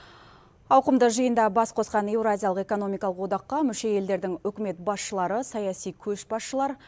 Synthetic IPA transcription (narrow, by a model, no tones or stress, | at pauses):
ɑwqəmd̪əʒəjənd̪ɑbɑsqʰo̞sqɑnewɾazʲijɑlˠəqe̞ko̞no̞mijkɑlˠəqwo̞d̪ɑqːɑmʏʃe̞je̞ld̪e̞ɾd̪ɪŋɵkʲɪme̞t̪̚bɑsʃəlˠɑɾəsɑjɑsijkʲʰɵʃbɑsʃəlˠɑɾ